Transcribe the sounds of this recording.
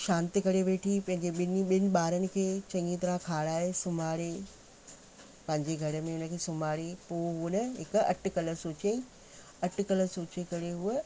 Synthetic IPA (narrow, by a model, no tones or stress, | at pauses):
ʃãːnt̪ikɐɾeʋeːʈʰipɐ̃ɦɪ̃ɲd͡ʑeɓɪnɓɪnɪ̆ɓaːɾənɪ̆kʰeːt͡ɕɐ̃ŋɡĩt̪ɐɾãkʰaːɽaːɦesʊmaːɽe | pɐ̃ɦɪ̃ɲd͡ʑeɡʱɐɾə̆mẽʊnə̆kʰeːsʊmaːɽepoːɦunɐɦɪkʊɐ̰ʈʰɪ̆kɐlə̆soːt͡ɕẽ | ɐʈkɐləsoːt͡ɕekɐɾeɦʊə